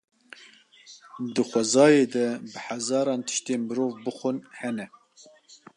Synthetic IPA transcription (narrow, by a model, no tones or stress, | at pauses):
d̪ɨxʷɛzɑːjeːd̪ɛbɨħazɑːɾɑːnt̪ʰɨ̥ʃt̪eːnmɨɾoːvbɨxʷʊnhɛnɛ